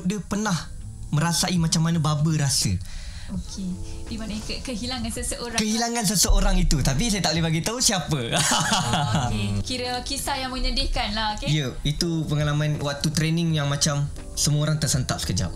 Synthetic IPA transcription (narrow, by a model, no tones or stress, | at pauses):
dəpənah | mə̃ɾasaimat͡ʃamːanãbabəɾasə̰ | okʰedimankəkəɦilaŋansəsəʔoɾakəɦilaŋansəsəoɾaŋit̪ut̪apisajət̪aʔlehbaɡit̪ausiapə | ekiɾəkisajaŋmə̃ɲədɪhkanlahokejəit̪upəŋalamãnwak̚t̪ut̪ɾenɪ̃ŋjaŋmãt͡ʃam | səmuoɾaŋt̪ərsənt̪ap̚sə̥kəd͡ʒa̰p̚